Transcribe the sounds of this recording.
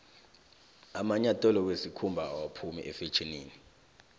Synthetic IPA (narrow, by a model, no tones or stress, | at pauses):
amaɲatʼɛlɔkwesikʰumbʱaːwapʰumḭʔɛfet͡ʃʰʼiniːni